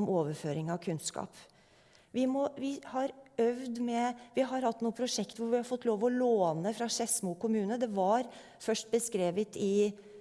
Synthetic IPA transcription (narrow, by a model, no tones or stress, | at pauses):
mʔoːʋəɾføːɾɪŋɑʋkʰʉnskɑ̰ːp | ʋɪmɔʋɪhɑɾœʋd̪mɛʋɪɦɑɾhɑt̪ːnuːəpʰɾʊʂɛkt̪ʋʊɾʋɪhɑɾfɔt̪ːloːʋɔloːnəfɾɑʂɛsmukʊmʉːnəd̪ɛʋɑɾ | fœʂʈ̚bəskɾeːʋət̪ɪ